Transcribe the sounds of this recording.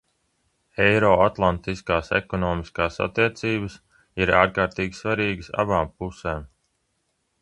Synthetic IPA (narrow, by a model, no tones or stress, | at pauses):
ɛjɾɔːat̪lˠant̪iskaːsɛ̰kɔnɔːmiskaːsa̰t̪ːiɛt̪siːbəs | iɾaːɾkaːɾt̪iːɡʲisvaɾiːɡəsa̰baːmpuseːm